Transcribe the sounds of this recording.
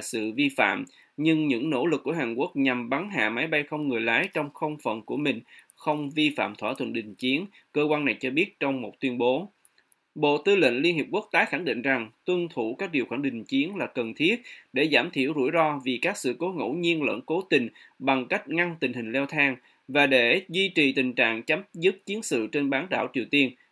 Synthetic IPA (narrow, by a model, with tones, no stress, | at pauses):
sɨ̰˧˨vi˧fa̰ː˧˨m | ɲɨ˧ŋɲɨ̰˧˥ŋno̰˧˥lɨ˨˩k̚ːu˧˩əhaː˨˩nku˦˥ək̚ɲa˨˩mɓa˨˦nɦa̰ː˧˨ma˨˦jɓa˧jxə˧wŋ͡mŋɨ˨˩əjlaː˨˦jt͡ɕɔ˧wŋ͡mxə˧wŋ͡mfə̰˨˩˨nku˧˩əmï˨˩ŋ̟ | xə˧wŋ͡mvi˧fa̰ː˧˨mt̪ʰwaː˧˩t̪ʰwə̰˧˨nɗï˨˩ŋ̟t͡ɕi˨˦ən | kəː˧kwaː˧na˨˩jt͡ɕɔ˧ɓi˦˥ət̚t͡ɕɔ˧wŋ͡mmo˨˩t̚t̪wi˧ənɓo˨˦ | ɓo̰˧˨t̪ɨ˧lḭ˧˨nli˧ənhi˨˩əp̚ku˦˥k̚t̪aː˨˦jxa˧˩ŋɗḭ˧˨ŋ̟za˨˩ŋt̪wə˧nt̪ʰu˧˩kaː˦˥k̚ɗi˨˩əwxwaː˧˩ɗï˨˩ŋ̟t͡ɕi˨˦ənlaː˨˩kə˨˩nt̪ʰi˦˥ət̚ɗe˧˩zaː˧˩mt̪ʰi˧˩əwzṵ˧˩jzɔ˧vi˨˩kaː˦˥k̚sɨ̰˧˨ko˨˦ŋo̰˧˥˩ɲi˧ənlə̰˧˥˨nko˨˦t̪ï˨˩ŋ̟ | ɓa˨˩ŋka˦˥k̟̚ŋa˧nt̪ï˨˩ŋ̟hï˨˩ŋ̟lɛ˧wt̪ʰaː˧ŋ | vaː˨˩ɗe˧˩zwi˧t͡ɕi˨˩t̪ï˨˩ŋ̟t͡ɕa̰ː˧˨ŋt͡ɕa˨˦mzɨ˦˥t̚t͡ɕi˨˦ənsɨ̰˧˨t͡ɕe˧nɓaː˨˦nɗa̰ː˧˩wt͡ɕi˨˩əwt̪i˧ən